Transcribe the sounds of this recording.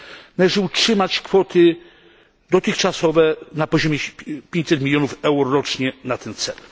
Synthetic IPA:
nalɛʐɘutʂɘmat͡ɕkfɔt̪ɘ | d̪ɔt̪ɘxt͡ʂasɔvɛnapɔʑɔmjɛpʲjeɲt͡ɕʲsɛt̪mʲilʲjɔnufɛwɾɔɾɔt͡ʂɲɛnat̪ɛnt̪sɛ̰l

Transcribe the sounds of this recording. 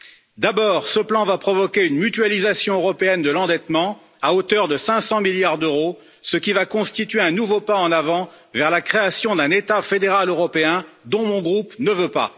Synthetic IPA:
d̪abɔʁsəplɑ̃vapχɔvɔkʲeynmyt̪ɥalizasjɔ̃øʁɔpeɛnd̪əlɑ̃d̪ɛt̪mɑ̃ | aot̪œʁd̪əsɛ̃sɑ̃miljaʁd̪øʁo | səkʲivakɔ̃st̪it̪ɥeɛ̃nuvopaɑ̃navɑ̃ | vɛʁlakχeasjɔ̃d̪ɛ̃net̪afed̪eʁaløʁɔpeɛ̃d̪ɔ̃mɔ̃ɡʁupnəvøpa̰

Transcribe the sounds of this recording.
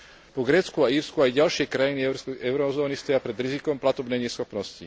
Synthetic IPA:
pɔɡɾɛːt͡skuaiːɾskuajɟalʃɪɛkɾajiniɛʊɾɔzɔːnist̪ɔjapɾɛd̪ɾizikɔmplat̪ɔbnɛjɲɛsxɔpnɔsci

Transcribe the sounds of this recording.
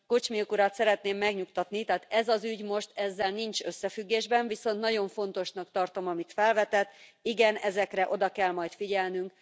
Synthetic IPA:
kot͡ʃmiukuɾat̪sɛɾɛt̪neːmːɛɡɲukt̪ɒt̪nit̪ɛːt̪ɛzɒzyɟmo̞ʃt̪ɛzːɛlnint͡ʃøsːɛfyɡːeːʒbɛɱvisont̪nɒɟo̞ɱfo̞n̪t̪o̞ʃnɒkt̪ɒrt̪o̞mɒmit̪fɛlvɛt̪ɛt̪ːiɡɛnɛzɛkrɛʔo̞d̪ɒkɛlmɒjt̪fiɟɛlnyŋk

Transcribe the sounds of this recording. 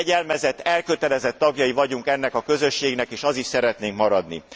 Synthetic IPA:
ɛɟɛlmɛzɛt̪ːɛlkø̞t̪ɛlɛzɛt̪ːɒɡjɒjivɒɟuŋkɛnːɛkɒkø̞zø̞ʃːeːɡnɛkeːʃɒziʃsɛɾɛt̪neːŋkmɒɾɒd̪nḭ

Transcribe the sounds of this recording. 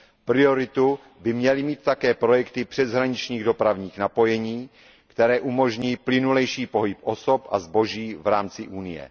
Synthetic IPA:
pɾɪo̞ɾɪt̪u | bɪmɲɛlɪmiːt̪̚ːakɛːpɾo̞jɛkt̪ɪpr̥ɛzɦɾaɲɪt͡ʃɲiːɣdo̞pɾavɲiːxnapo̞jɛɲiː | kt̪ɛɾɛːʔumo̞ʒɲiːplɪnulɛjʃiːpo̞ɦɪpʔo̞so̞pʔa̰zbo̞ʒiːvɾaːmt͡sɪʔuːnɪjɛ̰

